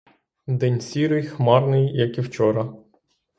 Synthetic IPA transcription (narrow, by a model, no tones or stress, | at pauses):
d̪ɛnʲsʲiɾɪjxmɑrnɪjjɐkiwt͡ʃɔɾɐ